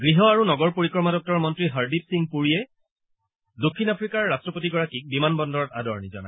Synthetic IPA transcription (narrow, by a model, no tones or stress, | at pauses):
ɡɹiɦɔaɹunɔɡɔɹpoɹikɹɔɹmadɔk̚tɔɹmɔntɹiɦaɹdipsiŋpuɹijɛ | dokʰːinapʰɹikaɹːastɹɔpotiɡɔɹakik̚bimanbɔndɔɹɔta̰dɔɹnizɔ̰na̰